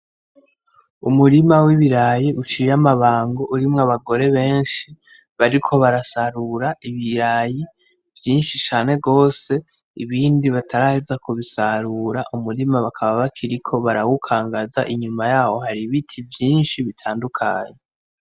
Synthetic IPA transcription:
umuɾimawiβiɾajiʔut͡ʃijamaβaːŋɡo̞ʔuɾimŋaβaɡo̞ɾe̞βe̞ːnʃi | βaɾikʰo̞βaɾasaɾuɾaʔiβiɾaji | vjiːnʃit͡ʃaːne̞ɡo̞ːse̞ | iβiːndiβatʰaɾahezakʰuβisaɾuːɾaʔumuɾimaβakʰaβaβakʰiɾikʰo̞βaɾawukʰaːŋɡaza̰ʔiɲumajaːho̞ɦaɾiβitʰivjiːnʃiβitʰaːndukʰaːɲe

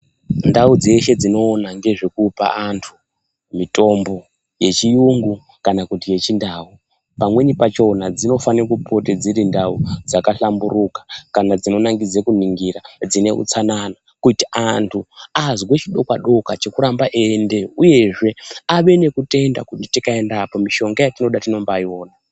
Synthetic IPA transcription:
ndaud͡ze̞ʃe̞d͡zino̞ːnaŋɡe̞ʐekupa̰antʰu̥ | mito̞mbo̞ | je̞t͡ʃijuŋɡu | kanakutije̞t͡ʃindaːu | pamweɲipat͡ʃo̞nad͡zino̞faniakupo̞ted͡ziɾindaud͡zakaɬambuɾukḁkanad͡zino̞naŋɡid͡zekun̤iŋɡiɾad͡zine̞̰ʔṵt͡sanana | kuitiʔantʰuazɡwet͡ʃiɗo̞kwaɗo̞kat͡ʃe̞kuɾambaʔende̞uje̞ʐe̞aʋe̞ne̞kute̞nda̰kutitikae̞ndapo̞miʃo̞ŋɡajatino̞ɗatino̞mbaio̞ːna

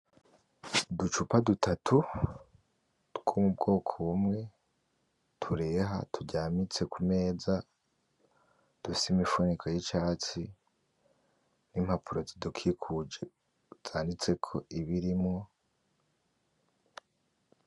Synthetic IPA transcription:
dut͡ʃupadutʰatʰu | ɡ̥omub̚ɡo̞ːkʰoβumŋe̞ | tʰuɾe̞ːɦa̰tʰuɟaːmit͡se̞kʰume̞ːza | d̥ufsimifunikʰojit͡ʃaːt͡si | nimhapʰuɾo̞zidukʰikʰud͡ʒe̞ | z̥aːndit͡se̞kʰo̞iβiɾimŋo̞

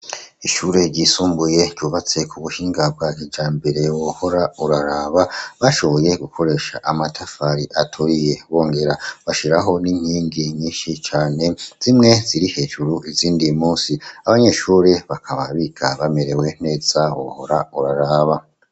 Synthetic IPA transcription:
iʃuːɾe̞ɾɟisuːmbuje̞ɟuːβat͡se̞kʰuβuʃiːŋɡab̚ɡakid͡ʒaːmbeɾe̞woho̞ɾauɾaɾaːβaβaʃo̞βo̞je̞ɡukʰo̞ɾe̞ʃa̰ʔamatʰafaɾiʔatʰoɾije̞βo̞ːŋɡe̞ɾaβaʃiɾaɦo̞niɲ̥iːŋɡiɲiːnʃit͡ʃaːne̞z̥imŋe̞ziɾihe̞ʒuɾuiziːndimuːnsiaβaɲe̞ʃuːɾe̞βakʰaβaβikʰa̰βame̞ɾe̞we̞n̥e̞ːz̥awo̰ho̞ɾauɾaɾaːβa

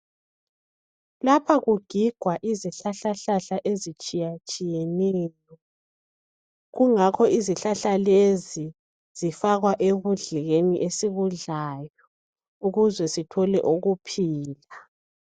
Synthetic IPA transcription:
lapʰaɣuɡ̥ʱiɡ̥ʱwaʔiziɬaɬaɬaɬaʔezit͡ʃʼijat͡ʃʼijenɛːjɔ | ɣuŋakʰɔiziɬaɬalezi | z̥ifaɣwaʔeɣuɮiɣeniʔesiɣuɮaːjɔ | uɣuzwɛsitʰɔlɛʔuɣupʰiːla

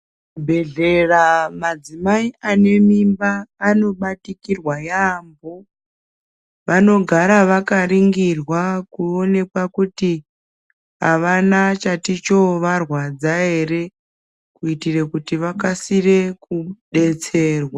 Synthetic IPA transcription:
bʱe̞ɮeramad͡zimaiane̞mimbaːno̞ɓatikirwajaːmbo | ʋano̞ɡʱaɾaʋakariŋɡirwakuo̞ne̞kwakuti | ɦa̰ʋanat͡ʃatit͡ʃo̞ʋarwad͡zae̞re | kuitirekutiʋakasire̞kuɗe̞t͡se̞ːrwa

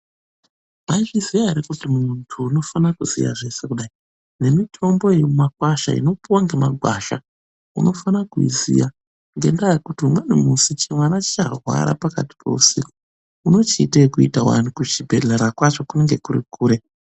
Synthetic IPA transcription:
mait͡ʃiziʋaiɾekutimuntʰuːno̞fanakuz̥ḭja̰ʐe̞se̞kuɗai | ne̞mitʰo̞mbo̞ejomumakwaʃa̰ḭno̞puwaŋɡe̞maɡʱwaʃa̰ | uno̞fanakuḭzḭja | ŋɡe̞̰ndajekutiumwenemusit͡ʃimwanat͡ʃi̥t͡ʃarwa̰ɾa̰paka̰ti̥pʰo̞̰usiko | uno̞t͡ʃitekuitawa̰nukut͡ʃibʱeɮeɾakwat͡ʃo̞kuneŋɡe̞kurḭkuːɾe

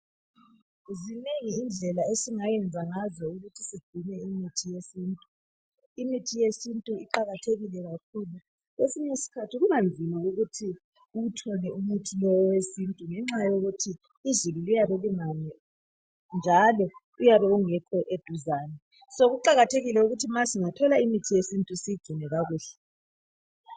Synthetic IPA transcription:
zineŋiːnd͡ɮʱɛlaesiŋajɛnd͡zʱaŋazɔuɣutʰisiɡ͡ǀ̥ʱinɛimitʰijesiːntʼu | imitʰijesintʼuiǃaɣatʰeɣilɛɣakʰuːlu | ɣesiɲisi̥kʰatʰiɣunand͡zʱimaɣuɣutʰi | uutʰɔlɛumutʰilɔwɔwesintʼuŋɛŋ͡ǁajoɣutʰiː | zululijaβɛliŋanɛ | nd͡ʒʱalɔ | ujaβɛuŋɛkʰɔʔed̥ʱuzaːnɛ | soɣuǃaɣatʰeɣilɛuɣutʰimasiŋatʰɔlaimitʰijesintʼusiɡ͡ǀ̥ʱinɛɣaɣuːɬɛ̥

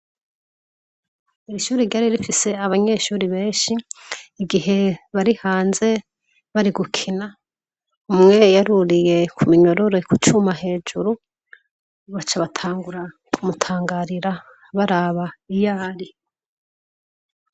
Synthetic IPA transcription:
iɾiʃuːɾiɾɟaɾiɾifise̞aβaɲe̞ʃuːɾiβe̞ːʃiːɡiɦe̞βaɾihaːnze̞ | βaɾiɡukʰina | umŋe̞jaɾuɾije̞kʰumiɲo̞ɾo̞ɾe̞kut͡ʃumaɦe̞ːd͡ʒuɾu | βat͡ʃaβatʰaːŋɡuɾa | kʰumutʰaːŋɡaɾiɾa | βaɾaːβaijaːɾi

